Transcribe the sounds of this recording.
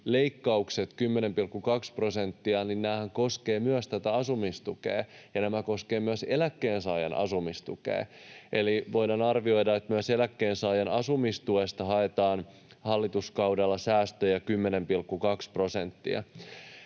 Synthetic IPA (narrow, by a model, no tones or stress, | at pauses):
le̞ikːɑukset̪kymːenempilkːukɑksprosent̪ːiɑninnæːhæŋko̞skeːmyøst̪æt̪æɑsumist̪ukḛːjɑnæmæko̞skeːmyøse̞lækːeːnsɑːjɑnʔɑ̰sumist̪ṵkḛːʔeliʋojdɑnɑrʋio̞jdɑet̪myøselækːeːnsɑːjɑnɑsumist̪uest̪ɑɦɑet̪ɑːn | hɑlːit̪uskɑwdɑlːɑsæːst̪øjækymːenempilkːukɑkspro̞sent̪ːḭɑ̰